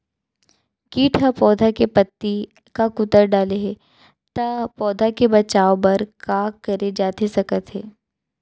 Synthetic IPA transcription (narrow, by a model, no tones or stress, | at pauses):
kiːʈʰapɔːd̪ʱakepɐt̪ːi | kakʊt̪əɾɖaːleɦɛ | t̪ɐpɔːd̪ʱakebɐt͡ʃaːobɐɾkaːkɐɾed͡ʒaːt̪esɐkət̪ɦɛː